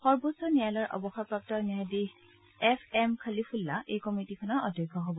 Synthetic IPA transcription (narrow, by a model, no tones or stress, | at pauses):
xɔɹbosɔnijalɔɹʔɔ̰bɔxapɹap̚tɔniadi | ɛpʰɛmkʰalipʰulːaʔejkɔmitikʰɔnɔɹɔdʱɔjkʰːɔɦobɔ